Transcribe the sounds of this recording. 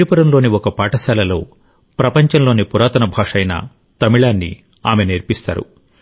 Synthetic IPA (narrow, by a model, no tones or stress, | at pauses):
ipuɾɐmlo̞ːniɔkɐpaːʈɐsaːlɐlo̞ː | pɾɐpɐɲt͡ʃɐnlo̞ːnipuɾaːt̪ɐnɐbʱaːʂɐjnɐ̰ | t̪ɐmiɭaːnːḭ | aːmeneːɾpist̪a̰ːɾṵ